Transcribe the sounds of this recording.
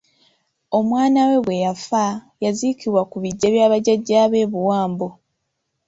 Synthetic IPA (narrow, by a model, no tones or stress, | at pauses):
o̞mwaːnawe̞βwe̞jafa | jazikiβwakuβiɟːeβjaːβaɟaɟːaːβe̞ːβuwaːmbo